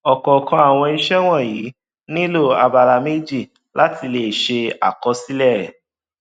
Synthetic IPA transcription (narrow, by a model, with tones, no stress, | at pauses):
ɔ˨kɔ˨kã˧a˨w̃ɔ̃˧i˦˧ʃɛ˦w̃ɔ̃˦˨jiː˨˦ | nĩ˦lo˦˨a˧ba˧ɾa˧me˦d͡ʒi˦˨ | la˦ti˧le˨ʃe˧a̰˨kɔ˧˦si˦lɛ˦˨ɛ˨